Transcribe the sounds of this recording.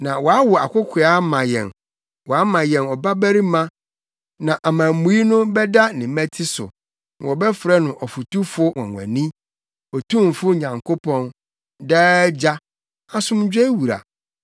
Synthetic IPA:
nã˨wɔ˨a˦wʊ˨a˨kʰʷʊ˦kʰɪ˨a˦mã˨jɛ̰̃˨n | wɔ˨a˦mã˨jɛ̃˨nɔ˨ba˦bæ˦ɾi˦mã˦ | nã˨ʔa˨mã˨mũ˨˦i˦nʊ̃˦bɛ˦da˦nɪ̃˨mɛ̃˦tʰɪ˦sʊ̰˨ | n˨wɔ˨bɛ˦fɾɛ˦nʊ̃˨ʔɔ˨fu˨tu˦fʊ˦wɔ̰̃˨ŋʷæ̰̃˨nĩ˦ | ɔ˨tʰũ˦m˨fʊ˦ɲã˨ŋkʰo˦pʰɔ̃˦n | dɛː˦d͡ʑa˦ | a˨sʊ̃˦md͡ʑᶣɛ˦wu˨ɾa̰˨

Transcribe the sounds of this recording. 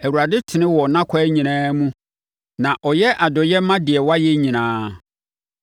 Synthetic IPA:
æ˨wu˨ɾa˨dɪ˦tʰɪ˨nɪ̃˦wɔ˨nã˦kʷʰa˦ɲĩ˨nãː˦mũ˦ | nã˨ʔɔ˨jɛ˦ʔa˨dɔ˨jɛ˦m˦mã˦dɪ˨ɛ˨wa˦jɛ˦ɲĩ˨nãː˦

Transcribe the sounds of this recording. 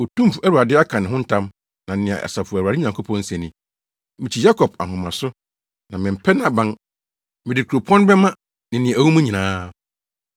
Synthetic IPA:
o˨tũ˦m˨fu˨æ˦wu˨ɾa˨dɪ˦a˦kʰã˨nɪ̃˨ɦʊ̃˦n̩˦tʰã˦m | nã˨˦nɪ̃˨ã̰˨ʔɛ̰˨sa˨fʊ˨wa˨dɪ˦ɲã˨ŋkʰo˦pʰɔ̃˦n̩˦sæ̃˨nĩ˨ | mɪ̃˨t͡ɕʰi˨ja˦kʰɔ˨b̚a̰˨ɦʊ̃˨mã˨sʊ˦ | nã˨mɪ̃˨m̩˨pʰɛ˦nã˦˨bã˦n | mɪ̃˨ɪ˨kʰu˨o˨pʰɔ̃˦n˦bɛ˦mã˦ | nɪ̃˨nɪ̃˨æ˨wũ˦mũ˦ɲĩ˨nãː˦

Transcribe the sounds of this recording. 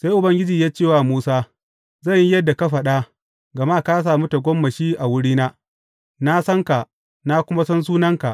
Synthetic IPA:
seː˦jʔʊ˨bɐ˦ŋɡʲɪ˦d͡ʒiː˨jaː˦t͡ʃeː˦˨waː˨muː˦saː˦ | zɐ˦˨ɲjjɐ˦dːa˨ka˦ɸɐ˨ɗa˦ | ɡɐ˨ma˦˨ka˦s̬aː˨mu˦ta˨ɡʷɔ˦mːɐ˨ʃiː˦ʔa˨wʊ˦ɽiː˦naː˦ | na˦sɐ˦ŋka˨ʔ | na˦kʷʊ˦ma˦sɐ˦ns̬uː˦nɐ˦ŋka˨ʔ

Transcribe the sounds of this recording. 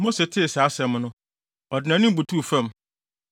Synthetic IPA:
mo˦se˨tʰɪ˦˨saː˨˦sɛ˨mnʊ̃˦ | ɔ˨dɪ˨nã˨˦nɪ̃˦m˦bu˨tʰu˦˨fã˦˨m

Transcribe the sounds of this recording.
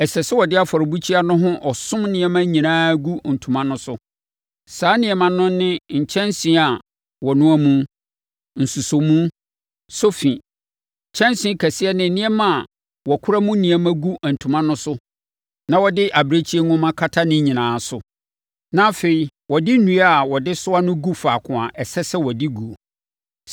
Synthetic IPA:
ɛ˨sɛ˨sɪ˦wɔ˨dɪ˦a˨fɔ˨ɾɪ˨bu˦t͡ɕʰi˦a˦nʊ̃˦ɦʊ̃˦ʔɔ˨sʊ̃˦mnɪ̃˨ɛ˦mã˦ɲĩ˨nãː˦ɡu˦n̩˨tʰũ˨mã˦nʊ̃˦sʊ˦ | saː˨˦nɪ̃˨ɛ˨mã˨nʊ̃˦n˦nɪ̃˦ɲ̩˨t͡ɕʰɛ̃˦nsĩ˦a˨ | wɔ˨nʊ̃˦æ˦mũ˦ | n̩˨su˨so˨mũ˦ | so˦fĩ˨ | t͡ɕʰɛ̃˦nsĩ˦kʰæ˨sɪ˦ɛ˦nɪ̃˨nĩ˦ɛ˦mã˦a˨ | wɔ˨kʰʊ˦ɾa˦mũ˦nĩ˨ɛ˨˦mã˦ɡu˦æ˨n̩˨tʰũ˨mã˦nʊ̃˦sʊ˦ | nã˨wɔ˨dɪ˦ʔa˨bɾe˦t͡ɕʰi˦e˦ŋʊ̃˦mã˦kʰa˦tʰa˦nɪ̃˦ɲĩ˨nãː˨˦sʊ˦ | nã˦fe˨i˨ | wɔ˨dɪ˦nũ˨˦a˨wɔ˨dɪ˦sʊ˦a˦nʊ̃˦ɡu˦faː˨kʰʊ̃˨a˨ʔɛ˨sɛ˦sɛ˦wɔ˨dɪ˦ɡu˨o˨

